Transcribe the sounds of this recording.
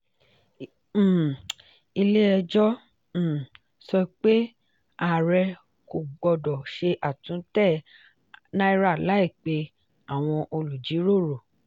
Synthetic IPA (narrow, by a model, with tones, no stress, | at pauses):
i˧le˦ɛ˧d͡ʒɔ˦˨ | sɔ˧i˧k͡pe˦ | a˨ɾɛ˧ | ko˨ɡ͡bɔ˧˨dɔ˨ʃe˧ʔa˨tũ˨˦tɛ˦˨ | nã˦i˧ɾa˦˨la˨˦i˦˨k͡pe˧ | a˨w̃ɔ̃˧ʔo˧lu˨d͡ʒi˨˦ɾo˦˨ɾo˨